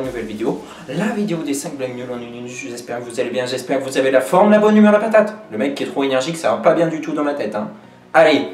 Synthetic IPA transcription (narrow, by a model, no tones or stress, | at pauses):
nuvɛlvid̪eo | lavid̪eod̪esɛ̃k̚blaŋnylɑ̃nynynʒəʒɛspɛʁkəvuzalebjɛ̃ʒɛspɛʁkəvuzavelafɔʁmlabɔnːymɛʁd̪apat̪at̪ləmɛkʲːiɛt̪χoenɛʁʒiksavãpabjɛ̃d̪yt̪ud̪ɑ̃lat̪ɛt̪ɛ̃ | ale